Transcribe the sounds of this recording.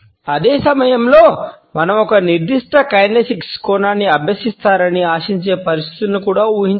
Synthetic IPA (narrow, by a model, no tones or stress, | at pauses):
ɐd̪eːsɐmɐjɐmlo̞ː | mɐnɐmɔkɐniɾd̪iʂʈɐkɐjnesikskoːnaːnːiɐbʱjɐsist̪aːɾɐniaːʂiɲt͡ʃe̞ːpɐɾist̪ʰi̥t̪unukuːɽaːuːɦiɲ